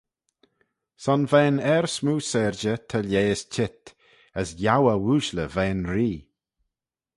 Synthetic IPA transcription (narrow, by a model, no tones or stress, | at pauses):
sɔnvɛːnɛɹsmuːsɛɾd͡ʒət̪ʰəljeːst͡ʃʰɪt̪ | əsjawəwuːʃləvɛːnɾiː